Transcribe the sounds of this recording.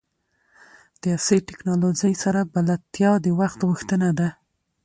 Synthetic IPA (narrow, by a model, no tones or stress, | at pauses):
d̪̥əɑsəʈɪknɑlod͡ʒəjsaɾabalat̪ːjɑd̪əwaxt̪ɣuxt̪ənad̪a